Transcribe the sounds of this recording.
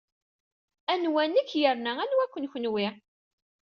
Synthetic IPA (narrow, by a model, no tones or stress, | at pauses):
ænwænækːjəɾnæænwækʷːənçənwɪ